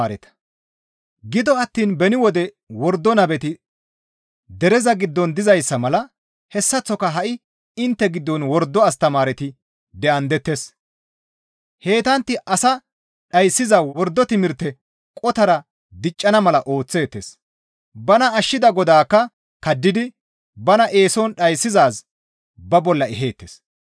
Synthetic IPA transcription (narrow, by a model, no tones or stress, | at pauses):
ɾɛ̰t̪ɐ̥ | ɡɪd̪ɔɐt̪ːiːnbɛnɪwɔd̪ɛ | wɔɾd̪ːɔnɐbɛt̪ɪ | d̪ɛɾɛzɐɡɪd̪ːɔnd̪ɪzɐjsːɐmɐlɐ | hɛsːɐt͡sːɔkɐɦɐʔɪ | ɪnt̪ːɛɡɪd̪ːɔnwɔɾd̪ːɔɐst̪ɐmaːɾɛt̪ɪ | d̪ɛʔɐnd̪ɛt̪ːes | he̞ːt̪ɐnt̪ːɪʔɐsɐ | ɗɐjsːɪzɐwɔɾd̪ːɔt̪ɪmɪɾt̪ɛ | kʼɔt̪ɐɾɐ | d̪ɪt͡ʃʼːɐnɐmɐlɐʔo̞ːt͡sːe̞ːt̪ːḛs | bɐnɐːʃːɪd̪ɐɡɔd̪aːkːɐ | kɐd̪ːɪd̪ɪ | bɐnɐʔe̞ːsɔnɗɐjsːɪzaːs | bɐbɔlːɐɛɦe̞ːt̪ːḛs